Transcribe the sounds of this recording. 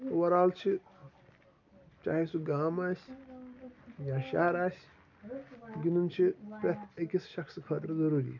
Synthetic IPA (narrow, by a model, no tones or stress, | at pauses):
t̪ɐwɐɾaːlt͡ʃʰi | t͡ʃa̰ːɦesuɡaːmaːsʲ | jaːʃaːɾaːsʲ | ɡinunt͡ʃʰipɐt̪ʰɐkʲisʃɐkskʰɐːt̪ɾɐzɐɾuːɾḭː